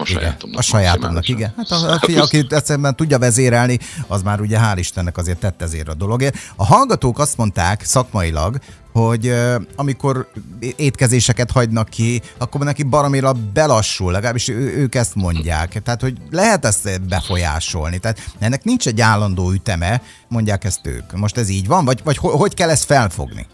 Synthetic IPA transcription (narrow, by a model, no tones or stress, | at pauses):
iɡɛ̰ɒʃɒjaːt̪o̰mnɒkiɡɛnhaːt̪ɒfijɒkiɛt̪sɛɾɛmbɛnt̪uɟːɒvɛzeːɾɛlniɒzmaːɾuɟɛɦaːliʃt̪ɛnːɛkɒzeːrt̪ːɛt̪ːɛzḛːɾɒd̪o̞lo̞ɡeːrɒɦɒlɡɒt̪oːkɒst̪mo̞nt̪aːksɒkmɒilɒ̰ɡ | ho̞ɟɒmiko̞ɾeːt̪kɛzeːʃɛkɛt̪hɒɟnɒkːiɒkːomnɛkibɒɾomiɾɒbɛlɒʃːulːɛɡɒlaːbiʃøøːkɛst̪mo̞ɲɟa̰ːkt̪ɛaːt̪ho̞ɟlɛɦɛt̪ɛst̪bɛfo̞ja̰ːʃo̞̰lnit̪ɛːt̪ɛnːɛknint͡ʃɛɟːaːlːɒnd̪oːyt̪ɛmɛ | mo̞ɲɟaːkɛst̪ø̰ːkmo̞ʃt̪ɛziːɟʋɒɱvɒɟvɒchoɦo̞ckɛlːɛst̪fɛlfo̰ɡnḭ